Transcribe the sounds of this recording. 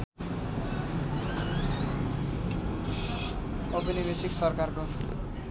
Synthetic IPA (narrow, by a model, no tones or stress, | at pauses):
ʌbʌnibesiksʌrkarko